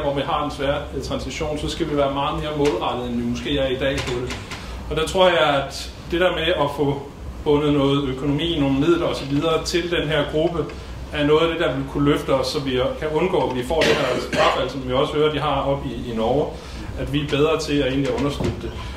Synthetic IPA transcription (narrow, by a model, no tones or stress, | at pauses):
ʋɒʋiɦɑ̈e̝nsʋæːɐt͡sʰʁɑ̈nsiɕo̝̰ːnsɒ̽sɡ̥æʋiʋæːɐmɑ̈ːð̞̩ˠme̝ːɐmɔðˠʁɑ̈d̥ið̩ˠenʋimɔ̽sɡ̥e̝̰ːæɐid̥ɛ̰ːpʰɒ̽d̥e̝ | ɒ̽d̥æt͡sʰʁo̝ɐ̰jɑ̈ɪæd̥ | d̥eɾæɐmeɒ̽fɔ̽ | b̥ɔ̽nð̩ˠnɔ̽ːð̩ˠøkʰo̝no̝mḭːnoːmið̰ˠlɐɒ̽sɒ̽ʋiðˠɐːt͡sʰe̝ld̥enɦeɐ̰ɡ̥ʁub̥ə | æɐnɔ̽ːðˠæd̥e̝d̥ɑ̈ʋe̝lkʰuløfd̥əɒ̽sːɒ̽mʋikʰæɔ̽nɡ̥ɔ̰ːʋifɒ̰ːd̥enhæɐsɡ̥ɑfælsɒ̽mʋiɒ̽sə̥høːɐd̥iɦɑ̈ɒ̽b̥iːnɒː | æd̥ʋiæb̥eð̞ˠʁɐt͡sʰe̝æe̝̰ːnliæɔ̽nɐsɡ̥yð̥̰ˠd̥e̝